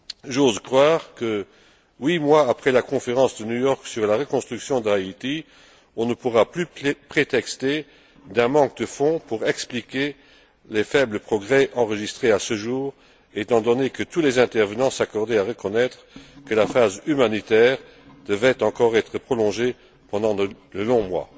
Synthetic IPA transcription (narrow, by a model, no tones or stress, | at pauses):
ʒozkχwaːʁkə | wimwaːpχɛlakɔ̃feʁɑ̃sd̪ənujɔʁksyʁlaʁəkɔ̃st̪χyksjɔ̃d̪ait̪i | ɔ̃nəpuʁaplypχet̪ɛkst̪e | d̪ɛ̃mɑ̃k̚d̪əfɔ̃puʁɛksplikʲe | lɛfɛbləpχɔɡʁɛʔɑ̃ʁəʒist̪χeasəʒuːʁ | et̪ɑ̃d̪ɔnekət̪ulɛzɛ̃t̪ɛʁvənɑ̃sakɔʁd̪ɛaʁəkɔnɛt̪χəkəlafazymanit̪ɛːʁ | d̪̥əvɛt̪ɑ̃kɔʁɛt̪χəpχɔlɔ̃ʒe | pɑ̃d̪ɑ̃d̪əlɔ̃mwa̰